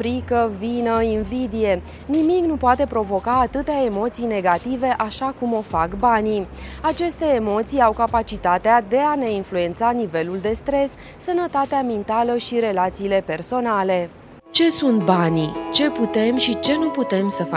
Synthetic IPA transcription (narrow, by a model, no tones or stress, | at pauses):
fɾikəvinəinvid̪ije̞ | nimiknupoat̪e̞pɾo̞vo̞kaːt̪ɨt̪ae̞mo̞t̪sijne̞ɡat̪ive̞ʔaʃakumo̞fakbaniat͡ʃe̞st̪e̞ːmo̞t̪sijawkapat͡ʃit̪at̪ead̪e̞ane̞influe̞nt̪sanive̞luld̪e̞st̪ɾe̞sː | ənət̪at̪eamint̪aləʃiɾe̞lat̪siːle̞pe̞rso̞nale̞ | t͡ʃe̞sunt̪̚banit͡ʃe̞put̪e̞mʃit͡ʃe̞nuput̪e̞msəfa